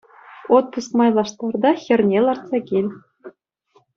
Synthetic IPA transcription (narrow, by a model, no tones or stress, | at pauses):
ot̪ːɤsmɑjlˠɑʂt̪ɑrd̪ɑxʲɘ̆rnʲelˠɑrt̪sɑɡʲelʲ